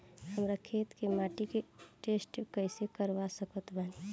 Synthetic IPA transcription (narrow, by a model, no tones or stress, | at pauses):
həmɾakʰet̪kemaʈikeʈesʈkəɪsekəɾʋasəkət̪bʱən